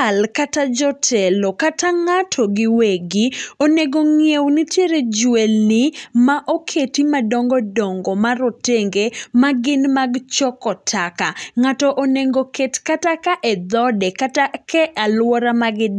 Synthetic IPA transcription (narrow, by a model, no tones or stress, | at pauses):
alkatad͡ʒɔtʰɛlɔkataŋatʰɔɡɪweɡɪoneɡoŋjewnɪtjeɾed͡ʒwelnɪmaʔokʰetimadɔŋɡɔdɔŋɡɔmaɾoteŋɡemaɡɪnmaɡt͡ʃɔkɔtʰakaŋatɔʔoneŋɡoketkatakaʔed̪ɔdɛkatakɛʔalwɔɾamaɡɪ